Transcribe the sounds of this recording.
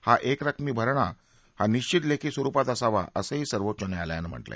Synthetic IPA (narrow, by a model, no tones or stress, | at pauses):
haʔekɾəkʰmiːbʱəɾɳa | haniɕt͡ɕit̪lekiːsʋəɾupat̪əsaʋa̰əsəɦiːsəɾʋot̪ːt͡ɕənealja̰nəm̤ə̰ɳʈla̰j